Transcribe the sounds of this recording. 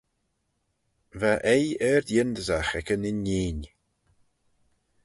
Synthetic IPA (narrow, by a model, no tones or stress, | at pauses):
vaʔejɛːɾd̪jɪnd̪əzaxɛkənɪnːiːn